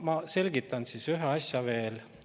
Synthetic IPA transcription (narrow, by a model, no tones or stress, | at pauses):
mɑse̞lʲɡ̥it̪ːˑɑnsiːsyɦeɑsʲjɑve̞ːl